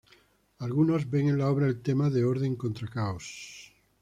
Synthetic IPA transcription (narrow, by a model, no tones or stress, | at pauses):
alɣunozβeŋenlaoβɾaelt̪emaðeoɾð̞eŋkont̪ɾakaos